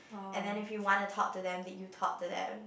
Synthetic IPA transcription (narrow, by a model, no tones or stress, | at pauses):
ɛ̃nðɛ̃nɪfjuwɔ̃ntətʰɔk̚tɨðɛ̃mðɛt͡ʃjutʰɔ̰k̚tɨðɛ̰̃m